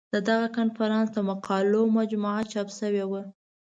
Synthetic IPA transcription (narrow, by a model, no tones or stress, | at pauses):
d̪̥əd̪aɣakanfaɾɑnsd̪əmaqɑlomad͡ʒmuʕat͡ʃɑpsəwewə